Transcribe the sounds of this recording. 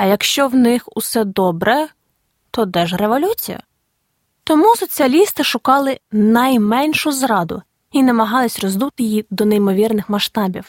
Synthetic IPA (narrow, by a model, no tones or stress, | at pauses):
ɐjɐkʃt͡ʃɔwnɪxusɛd̪ɔbɾʔɛ | t̪ɔd̪ɛʒreʋɔlʲut͡sʲijɐ̰ | t̪ɔmusɔt͡sʲiɐlʲist̪ɪʃʊkɑlˠɪnɐjmɛnʲʃʊzɾɑd̪ʊ̰ | inɐmɐɦɑlˠɪsʲrɔzd̪ut̪ɪjid̪ɔnejmɔʋʲirnɪxmɐʃt̪ɑbʲiw